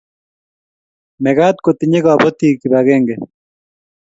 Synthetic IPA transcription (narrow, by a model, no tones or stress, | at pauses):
meɣat̪̚kot̪iɲeɣabot̪iːkiβaɣeŋɡe